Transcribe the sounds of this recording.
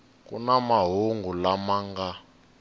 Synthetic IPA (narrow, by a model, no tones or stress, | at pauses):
kṵnamaɦuŋɡulamaŋɡa